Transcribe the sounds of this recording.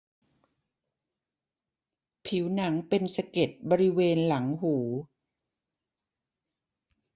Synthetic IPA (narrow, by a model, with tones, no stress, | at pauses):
pʰi˩˦wna˩˦ŋpe˧nsa˧ke˨˩t̪̚bɔː˧ɾi˦˥weː˧nla˩˦ŋɦuː˩˦